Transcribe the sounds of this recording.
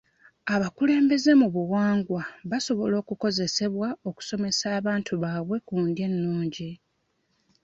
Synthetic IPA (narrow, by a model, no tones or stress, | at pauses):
aβakule̞ːmbe̞ze̞muβuwaːŋɡwaβaso̞βo̞lo̞ːkuko̞ze̞se̞βwao̞ku̥so̞me̞saːβaːntʰuβaːβwe̞kuːndje̞nːuːɲɟi